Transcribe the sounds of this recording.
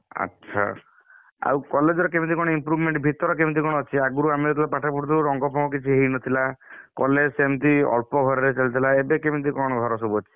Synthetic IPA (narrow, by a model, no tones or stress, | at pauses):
a̰tːʃʰa̰ | a̰wkɔled͡ʒɔɾɔkemit̪ikɔɽ̃ɔimpɾubʱmeɳʈbʱit̪ɔɾɔk̬emit̪̬ikɔɽ̃ɔɔt͡ʃʰiaɡuɾuamiɾɔt̪ʰilapaʈʰapuʈt̪uɾuɾɔŋɡɔpʰɔmɔkit͡ʃʰiɦeɦinɔt̪ʰilakɔlesemt̪iɔ̰ɭpɔɡʱɔɾɔɾet͡ʃalit̪ʰilaebekemit̪̬ikɔɽ̃ɔɡʱɔɾɔsɔbuɔt͡ʃʰi̥